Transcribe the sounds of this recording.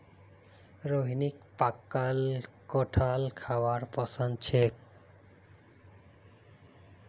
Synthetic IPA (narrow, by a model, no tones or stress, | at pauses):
ɾoɦinikpakːalkɔʈʰalkʰawaɾpɔsand̪̚t͡ʃʰek̚